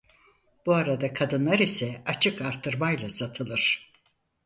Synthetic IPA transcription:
b̥uaɾad̪akʰad̪ɯnlˠaɾisɛat͡ʃʰɯkaɾt̪ʰɯɾmajlˠasat̪ʰɯlˠɯɾ̥

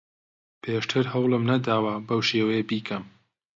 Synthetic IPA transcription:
pʰeːʃt̪ʰɨɾɦɐwlˠɨmnɐd̪aːwɐbɐwʃeːwejebiːkʰɐm

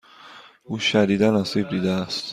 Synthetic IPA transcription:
uːʃæd̪iːd̪ænɒːsiːb̚d̪iːd̪ææst̪

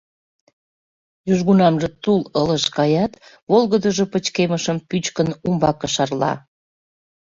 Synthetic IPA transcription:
jyʒɣunɑmʒĕt̪ulələʃkɑjɑt̪βolɣəd̪əʒopət͡ɕkeməʃəmpyt͡ɕkənumbɑkəʃɑrlɑ̰

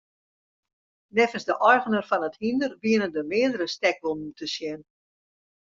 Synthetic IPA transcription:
nɛfənsdəʔɔjɣənərfɔnəthindərbiənəndəmɪədəɾəstɛk̚bon̩tʰəsjɛn

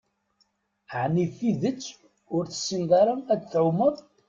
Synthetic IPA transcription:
ʕnifiðət͡sː | ʊɾθə̥sːind̪ɑɾˤənæd̪θʕʊməðˤ

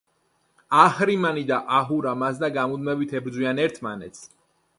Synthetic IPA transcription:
aχɾimanid̪aʔaɦuɾamasd̪aɡamud̪mɛbit̪ʰɛbɾd̪zwianɛɾt̪ʰmanɛt̪sʰ

